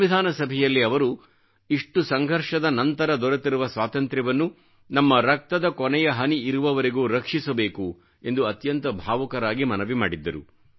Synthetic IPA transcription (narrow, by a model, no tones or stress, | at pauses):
ʋid̪ʱaːnɐsɐbʱɛjɐlːiɐʋɐɾu | iʂʈusɐŋɡʱɐɾʂɐd̪ɐnɐnt̪ɐɾɐd̪ɔɾɐt̪iɾuʋɐsʋaːt̪ɐnt̪ɾɐʋɐnːu | nɐmːɐɾɐk̚t̪ɐd̪ɐkɔnɛjɐɦɐniːɾuʋɐʋɐɾiɡuːɾɐkʂisɐbe̞ːku | e̞nd̪uɐt̪jɐnt̪ɐbʱaːʋɐkɐɾaːɡimɐnɐʋima̰ːɽid̪ːɐɾu